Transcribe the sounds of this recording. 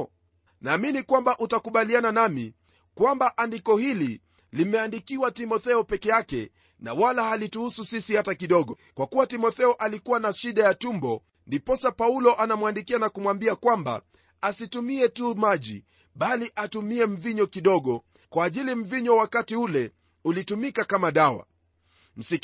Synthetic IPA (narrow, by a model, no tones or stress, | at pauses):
naːminikwambaʔutakuɓaliananamḭ | kwambaʔandikɔhili | limɛandikiwatimɔθɛɔpɛkɛjakɛ̰ | na̰walahalituhususisihatakiɗɔɠɔ | kwakuwatimɔθɛɔʔalikuwanaʃiɗajatumbɔ | ndipɔsapaulɔʔanamwandikianakumwambiakwamba̰ | asitumiɛtumaʄḭ | ɓaliʔatumiɛm̩viɲɔkiɗɔɠɔ | kwaːʄilim̩viɲɔwakatiulɛ | ulitumikakamaɗawa̰ | m̩si